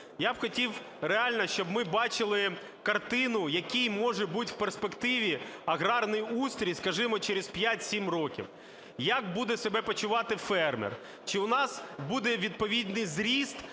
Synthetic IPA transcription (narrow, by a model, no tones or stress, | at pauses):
jabxɔtʲiw | ɾeɑlʲnɐʃt͡ʃɔbmɪbɑt͡ʃɪlˠɪ | kɐrt̪ɪnʊjɐkʲijmɔʒɛbutʲw̥perspekt̪ɪʋʲiɐɣɾɑrnɪjust̪ɾʲijskɐʒɪmɔt͡ʃeɾespʲjatʲsʲimrɔkʲḭw | jɐk̚bud̪ɛsebɛpɔt͡ʃʊʋɑt̪ɪfɛrmɛ̰r | t͡ʃɪʊnɑsbud̪ɛʋʲid̪̚pɔʋʲid̪nɪjzɾʲist̪